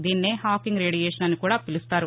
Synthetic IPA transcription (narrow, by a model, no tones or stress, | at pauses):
d̪iːnːeːhaːkiŋɡɾeːɖijeːʂɐnɐnːikuːɽaːpilust̪aːɾu